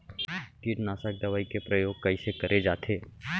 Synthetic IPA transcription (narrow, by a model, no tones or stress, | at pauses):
kiʈnaːsək̚d̪ɐʋaːikepɾəjoːɡ̚kɐisekɐɾʔed͡ʒaːt̪ʰeː